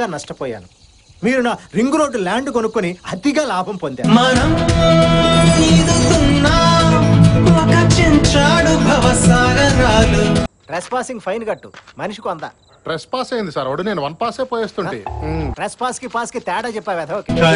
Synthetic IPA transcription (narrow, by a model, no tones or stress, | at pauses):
aːnɐʂʈɐpɔːja̰ːnu | miːɾunaɾiŋɡɾoːɖulaːɳɖk̬onukːuniɐd̪iɡaːlaːbʱɐmpond̪a̰ːmɐnɐm | niːd̪ut̪unːaː | ɔkɐt͡ʃiɲt͡ʃaːɽubʱɐʋɐsaːnɐɾaːluʈɾespaːsiŋɡpʰɐjnɡɐʈːumɐniʂi̥kuɐnd̪a̰ː | ʈɾespaːsɐjnd̪isaːɾɐɽuneːnuʋɐnpaːseːpoːjeːst̪uɳʈḭːʈɾespaːskipaːskit̪ɛːɽaːt͡ʃɛpːaːʋɛːd̪ɐoːkeː